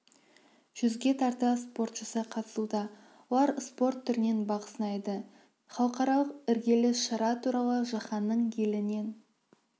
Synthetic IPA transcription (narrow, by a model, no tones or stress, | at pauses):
ʒ̥ʏzɡʲe̞t̪ʰɑɾt̪əspo̞rt̪ʃəsəqʰɑt̪ə̥sud̪ɑ | wolˠɑɾspo̞rt̪ʰːʏɾɪne̞nbɑʁəsənɑjd̪ə | χɑlˠəqɑɾɑlˠəqɪɾɡʲe̞lɪʃɑɾɑt̪ʰuɾɑlˠəʒɑχɑnːəɴjʰelɪne̞n